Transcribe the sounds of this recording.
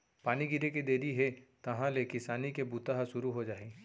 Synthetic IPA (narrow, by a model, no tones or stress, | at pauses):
paːniɡɪɾeked̪eːɾiɦet̪ɐɦãlekɪsaːnikebuːt̪aɦaʃʊɾuɦod͡ʒaːeː